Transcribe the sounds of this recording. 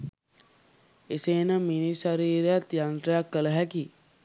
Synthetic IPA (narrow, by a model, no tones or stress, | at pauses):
eseːnəminisaɾiːɾejat̪jant̪ɾəjakːələɦæki